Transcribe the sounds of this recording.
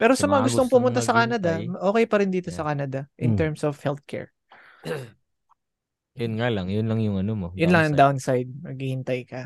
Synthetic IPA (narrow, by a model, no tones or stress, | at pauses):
pɛːɾo̞sɐmɐŋaɡʊst̪oŋpʊmʊnt̪asɐkaːnɐd̪ɐʔo̞ːkɛjpɐɾɪnd̪iːt̪o̞sɐkaːnɐd̪ɐʔɪnt̪ɛɹmsɔvhɛlt̪̚kʰɛ̰ɹ | jʊnŋalɐŋjʊnlɐŋjʊŋɐnomojʊnnlɐŋjɐŋd̪awnsajd̪̚mɐɡ̚hihɪnt̪ajkɐ